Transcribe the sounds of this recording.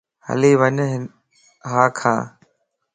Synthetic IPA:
hə̰liːʋəɲɦ | ɦaːkʰã̰ː

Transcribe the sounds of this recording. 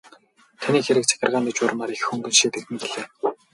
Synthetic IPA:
t̪ʰaniːxeɾɘ̆k̚t͡sʰæ̥xʲɪ̆rʁaːnit͡ɕʊr̆maːɾixxɵŋɡɵ̆nʃiːt̪exɘ̆ŋɡeɮeː

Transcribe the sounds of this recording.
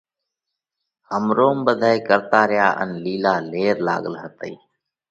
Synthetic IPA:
həmɾoːmbəd̪ʱaːeːkəɾt̪aːɾɪjaːʔə̰nliːlaːleːɾla̰ːɠəlɦət̪əiː

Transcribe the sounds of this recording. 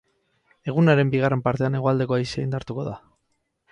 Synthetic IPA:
e̞ɣ̞unaɾe̞mbiɣare̞mpaɾt̪e̞ane̞ɣ̞oald̪e̞koajseajnd̪aɾt̪uko̞ða̰

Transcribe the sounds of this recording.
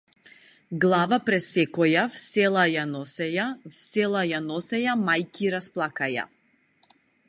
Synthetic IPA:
ɡlˠavapɾɛsɛkɔjafsɛlˠajanɔsɛjafsɛlˠajanɔsɛjamajkiɾasplˠakaja̰

